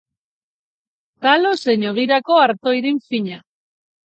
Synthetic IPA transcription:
t̪aloseɲoɣ̞iɾako̞aɾt̪o̞iɾiɱfiɲa

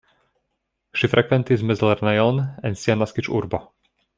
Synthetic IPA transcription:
ʃifɾʔɛkvɛnt̪izmɛzlɛɾnajɔlnɛnsianaskit͡ʃṵɾbɔ

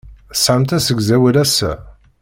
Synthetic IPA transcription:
sʕəmt̪æsəɡzæwælæsæ̰

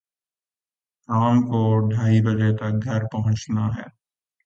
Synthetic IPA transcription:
kaːmkoɖʱaːibɐd͡ʒet̪ɐk̚ɡʱɐɾpɐɦʊ̃t͡ʃnaɦɛː

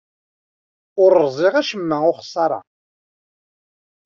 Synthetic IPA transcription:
ʊɾzˤɪʁæʃəmːæʊχsˤːɑɾˤɑ̰

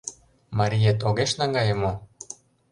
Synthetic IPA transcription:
mɑɾʲijet̪oɣeʃnɑŋɡɑjə̆mo

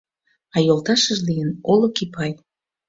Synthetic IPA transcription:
ɑjolˠt̪ɑʃəʒlijənolokipʰɑj

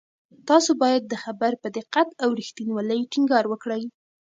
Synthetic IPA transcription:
t̪ɑsobɑjad̪ːəxabaɾpəd̪ɪqat̪awɾixt̪inwɑləjʈiŋɡɑɾwəkɽəj

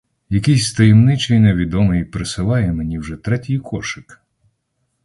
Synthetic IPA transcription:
jɐkɪjsʲst̪ɐjemnɪt͡ʃɐjneʋʲid̪ɔmɪjpɾɪsɪlˠɑjɛmenʲiwʒɛt̪ɾɛtʲijkʰɔʃɪk

